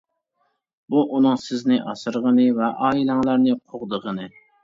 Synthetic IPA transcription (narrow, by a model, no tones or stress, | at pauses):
buʔunɨŋsɪznɪʔɑsɨɾʁənɨvɛʔɑːilæŋlæɾnɨqʰoʁd̪əʁənɨ